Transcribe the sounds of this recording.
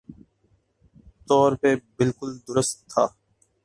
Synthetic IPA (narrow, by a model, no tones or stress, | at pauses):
t̪ɔːɾpeːbɪlkʊld̪ʊɾəst̪ʰːa̰ː